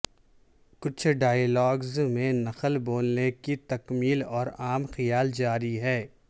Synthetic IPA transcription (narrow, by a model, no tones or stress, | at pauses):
kʊt͡ʃʰɖaːəlɔːɡzmẽnɐxəlboːlnekit̪ɐkmiːlɔːɾaːmxɐjaːld͡ʒaːɾiɦɛː